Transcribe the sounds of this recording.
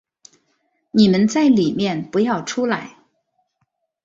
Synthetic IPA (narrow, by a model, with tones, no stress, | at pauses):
ni˨˩mə˦nt͡sa˥˩ɪli˨˩mjɛ˥˩npu˧˥jɑ˥˩ʊʈ͡ʂʰu˥la˧˥ɪ